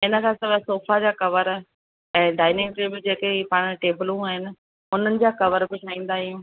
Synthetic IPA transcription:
ɪnəkʰãsɐʋəsoːfad͡ʑaːkɐʋəɾ | ɛ̃ːɖaːɪnɪ̃ŋɡʈeːbəld͡ʑeːkeipaːɽ̃ʈeːbɪlũaːɦɪnɪ̆ | ʊn̤ənɪ̆d͡ʑaːkɐʋəɾbɪʈʰaːĩːnd̪aːɦɪjũː

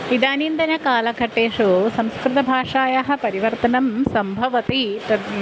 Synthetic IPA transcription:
id̪aːnind̪ɐnɐkaːlɐɡʱɐʈːeːʂusɐmskɾɪt̪ɐbʱaːʂaːjaɦɐ̆pɐɾiʋɐɾt̪ɐnɐmsɐmbʱɐʋɐt̪iʈɐ

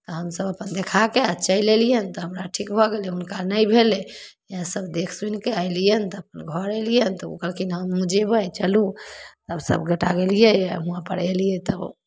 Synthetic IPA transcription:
t̪ɔɦəmsəbəpənd̪ekʰakeat͡ʃəjlelijənt̪ɔɦəmɾaʈʰikbʱɔɡelɛunkanəjbʱelejãsəbd̪ekʰsunkeajlijənt̪ɔəpənɡʱɔɾəlijənt̪ɔṵkəlkinɦəmːũd͡ʒebət͡ʃəlut̪əbsə̰bɡəʈaɡelijəjɦũãpəɽelijɛt̪əb

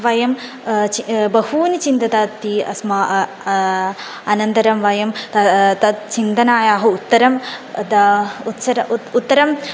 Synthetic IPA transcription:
ʋɐjɐm | t͡ʃibɐhuːnit͡ʃint̪ɐt̪at̪iɐ̰smɐ | ɐnɐnd̪ɐɾɐmʋɐjɐmt̪ɐt̪ɐt͡ʃint̪ɐnaːjaːɦɐut̪ːɐɾɐmd̪ɐut̪sɐɾɐut̪ːɐɾɐm

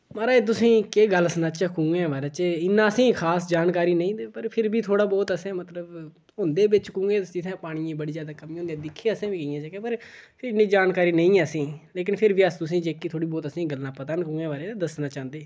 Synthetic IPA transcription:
maːɾaːeːt̪̬ʊsĩːkeːɡəlsnãːt͡ʃəkũːŋɡẽːʋaːɾeːt͡ʃeɪnːãːəsĩːkʰaːsd͡ʒaːnkaːɾiːnəĩːd̪epəɾpʰɪɾbiːt̪ʰoːɽaːbɔːt̪əsɛ̃ːmət̪ləb | ɦʊ̃nd̪eːʋɪt͡ʃkũːŋɡẽːd͡ʒɪt̪ʰɛ̃ːpaːɽ̃iːãːbəɽiːzjaːd̪aːkəmĩːɦõnd̪ijɛ̃ːd̪ɪkʰːeːəsẽːʋiːkəjãːt͡ʃəkẽːpəɾpʰɪɾɪnːĩːd͡ʒaːnkaːɾiːnəĩːəsĩːleːk̬ɪnpʰɪɾʋiːəst̪ʊsĩːd͡ʒeːkːiːt̪ʰoːɽiːbɔːt̪əsĩːɡəlːãːpət̪ənkũːŋɡẽːʋaːɾeːed̪əsnãːt͡ʃãːnd̪eː

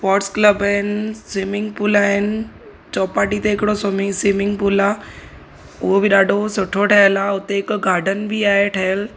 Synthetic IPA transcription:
spɔːɾʈskləbaːɦɪnɪ̆sɪmɪ̃ŋɡ̚puːlaːɦɪnɪ̆ | t͡ɕɔːpaːʈit̪eɦɪkɪɽosomɪsɪmɪ̃ŋɡpuːlaː | ʊɦobɪɗaːɖʱosʊʈʰoʈʰɐɦəlaːʊt̪eɪkɡʱaːɾɖənbiaːɦeʈʰɐɦəl

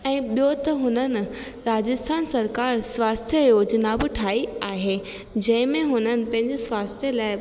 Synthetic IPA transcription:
ɛ̃ːɓijot̪ɐɦʊnənɪ̆ | ɾaːd͡ʑɪst̪ʰaːnsɐɾkaːɾsʋaːst̪ʰjəjoːd͡ʑnaːbʊʈʰaːiaːɦeː | d͡ʑɐ̃ɦɪ̃mẽɦʊnənɪ̆pɐ̃ɦɪ̃ɲd͡ʑɪsʋaːst̪ʰjəlaːɪ

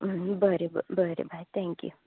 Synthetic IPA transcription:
bəɾebə̰bəɾḛbʱajt̪ʰɛ̃ŋkjṵ

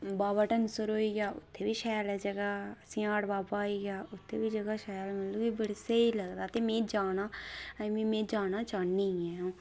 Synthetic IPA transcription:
baːbaʈənsʊɾoːiːɡjaːʊ̰t̪ʰːeːbiːʃɛːəlɛd͡ʒəɡaːsɪ̃ãːɽbaːbaːiːɡjaːʊt̪ʰːeːbiːd͡ʒəɡaːʃɛːəlməlõːɡibəɽseiləɡd̪aːt̪eːmẽːd͡ʒaːnaːmĩmẽːd͡ʒaːnaːt͡ʃaːnːiɛ̃ːõː

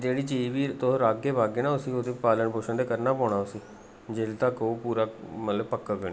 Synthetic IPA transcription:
d͡ʒeːɽiːt͡ʃiːʋiːt̪oɾaːɡːeːbaːɡeːnaːʊsiːot̪eːpaːləɳboːʃənd̪eːkəɾnaːpɔːɽ̃aːʊsiː | d͡ʒeːlt̪akopuːɾaːmət̪ləbpəkːəɡənː

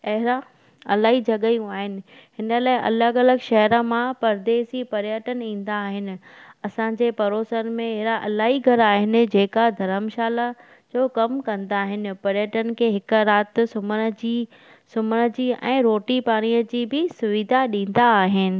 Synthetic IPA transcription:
ɐɦɪɾa | ɐ̰laːɦid͡ʑɐɠəjũaːɦɪnɪ̆hɪnəlaːɪʔɐ̰ləɡɐləɡʃɐɦəɾə̆mãpɐɾd̪eːsipɐɾjəʈənĩːn̆d̪aːɦɪnɪ̆ɐsãd͡ʑeːpɐɾoːsənmẽɛɦɪɾaʔɐlaːɦiɡʱɐɾaːɦɪnɪ̆d͡ʑeːkad̪ʱɐɾəmʃaːla | d͡ʑoːkɐmkɐ̃nd̪aːɦɪnɪ̆pɐɾjəʈənɪ̆kʰeːɦɪkɾaːt̪sʊmənəd͡ʑi | sʊmənə̆d͡ʑiːɛ̰̃ːɾoːʈipaːɽ̃ijəd͡ʑiːbɪsʊʋɪd̪ʱaɗĩːn̆d̪aːɦɪnɪ̆

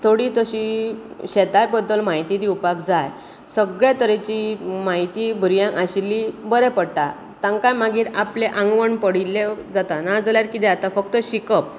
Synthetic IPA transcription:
t̪ʰoɽit̪əɕiɕet̪ajbəd̪ːəlmait̪id̪iupakd͡zaj | səɡɭjat̪əɾet͡ɕimaɦit̪ibʱuɾjãkaɕilːibəɾepəɽt̪a̰ | t̪ãŋkajmaɡiːɾapleʔãŋɡʋəɳpəɽilːed͡zat̪anad͡zaljaɾkit̪eat̪afək̚t̪əɕikəp̚

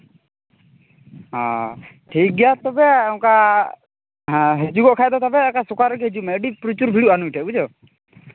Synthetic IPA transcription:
ɦɔ̃ʈʰik̚ɡɛjat̪ɔbɛũka | ɦɦɛd͡ʒuɡɔʔkʰajd̪ɔt̪ɔbɛkasɔkaɾɛɡɛɦɛd͡ʒuʔmɛəɖipɾut͡ʃuɾbʱiɽuʔanuiʈʰɛbud͡ʒɔ

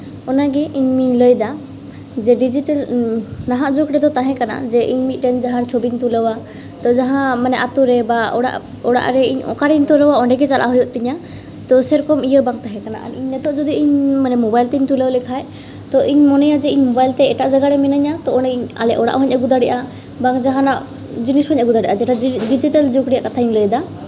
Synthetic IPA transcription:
ɔnaɡɛʔiɲmiɲləjd̪a | d͡ʒɛɖid͡ʒiʈalnaɦaʔd͡ʒoɡɾɛd̪ɔt̪aɦɛ̃kana̰d͡ʒɛʔiɲmit̪̚ˀʈɛnd͡ʒaɦãɾt͡ʃʰobiɲt̪uləwa | t̪ɔd͡ʒaɦãmanɛʔat̪uɾɛbaɔɽa̰ʔ | ɔɽa̰ʔɾɛiɲɔ̰kaɽiɲt̪uləwaɔɳɖɛɡɛt͡ʃalʔa̰ɦɔjɔʔ̚t̪iɲa | t̪ɔsɛɾɔkɔmijəbaŋt̪aɦɛ̃kana̰ʔa̰niɲnɛt̪ɔʔd͡ʒɔd̪iiɲmanɛmɔbajlt̪ɛiɲt̪uləwlɛkʰaj | t̪ɔʔiɲmɔnɛjad͡ʒɛiɲmɔbajlt̪ɛɛʈaʔd͡ʒaɡaɾɛmɛnaɲat̪ɔɔɳɖɛiɲa̰lɛʔɔɽa̰ʔɦɔɲʔaɡud̪aɽɛʔa | baŋd͡ʒaɦãnaʔ | d͡ʒinishɔɲʔaɡud̪aɖɛʔad͡ʒɛʈaɖid͡ʒiʈald͡ʒukɽijaʔkat̪ʰajmləjd̪a

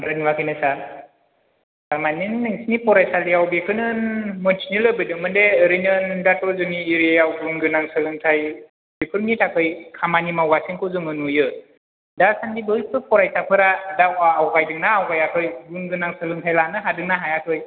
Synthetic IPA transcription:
ɾɯniwakʰɯjnɯsaɾ | samaninːɯŋsnipɔɾajsalijawbekʰɯnɯnmɯntinilɯbɯdɯŋmɯndeɾɯnɯndatɔzɯŋiːɾjawɡuŋɡɯnaŋsɯlɯŋtʰaj | bekʰɯɾnitʰakʰɯjkʰamanimawɡasiŋkʰɯzɯmɯnujɯ | dasandibɯipʰɯpɔɾajsapʰɯɾadawaːwɡajdɯŋnaːwkajakʰɯjɡuŋɡɯnaŋsɯlɯŋtʰajlanɯɦadɯŋnaɦajatʰɯj

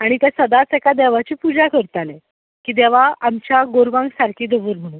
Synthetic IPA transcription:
aɽ̃it̪jasəd̪at͡sɛkad̪ɛʋat͡ɕiːpud͡ʑakəɾt̪alɛ | kiːd̪ɛʋ̤aamt͡ɕjaɡoɾʋãŋɡsaɾkʰiːd̪eʋuːɾm̤əɽ̃uːn

